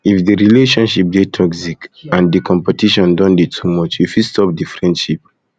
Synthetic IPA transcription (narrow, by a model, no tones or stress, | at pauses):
ifdiɹileʃɔ̃nʃip̚detʰɔksikãndikʰɔ̃mpɛtiʃɔ̃ndɔ̃nditʰumɔt͡ʃjufistɔp̚difɹɛ̃ndʃip̚